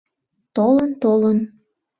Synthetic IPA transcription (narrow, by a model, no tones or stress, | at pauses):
t̪olənt̪olən